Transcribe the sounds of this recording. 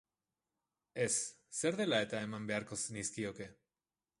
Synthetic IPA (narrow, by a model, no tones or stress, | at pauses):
esː | eɾðelaet̪aemambeaɾkosniskioke